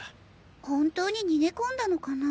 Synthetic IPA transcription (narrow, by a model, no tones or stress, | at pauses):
hõ̞nt̪o̞ːɲ̟iɲ̟ine̞kõ̞nd̪ano̞kana